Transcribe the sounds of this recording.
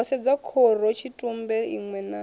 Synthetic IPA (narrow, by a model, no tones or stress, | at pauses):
ɔsɛd͡zakʰɔrɔt͡ʃʰitʼumbɛḭŋwɛna